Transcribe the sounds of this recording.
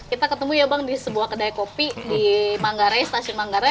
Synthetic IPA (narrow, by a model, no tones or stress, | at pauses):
kit̪akət̪əmujabaŋdisəbuahkədajakopidimaŋɡaɾajst̪asiʊnmaŋɡaɾa